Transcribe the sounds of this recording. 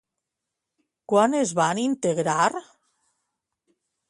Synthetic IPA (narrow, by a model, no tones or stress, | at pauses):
kwanezβanint̪eɣɾaɾ